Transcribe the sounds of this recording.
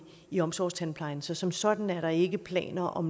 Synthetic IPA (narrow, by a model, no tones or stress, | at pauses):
iɒ̽msɒ̰ːst͡sʰænpʰlɑ̈ɪn̩sɒ̽sɒ̽msɒ̽d̥n̩æɐɾɑ̈e̝ɡ̥əpʰlɛ̰ːnɐʔɒ̽m